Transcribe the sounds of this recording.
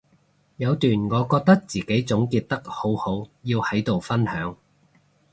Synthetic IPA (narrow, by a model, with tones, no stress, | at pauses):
jɐ˨˧wt̪yː˨˩nŋɔː˨˧kɔː˧k̚t̪ɐ˥k̚t͡siː˨˩ke˨˥jt͡sʊ˨˥ŋkiː˧t̚t̪ɐ˥k̚ho˨˥who˨˥wjiː˧whɐ˨˥jt̪o˨wfɐ˥nhœː˨˥ŋ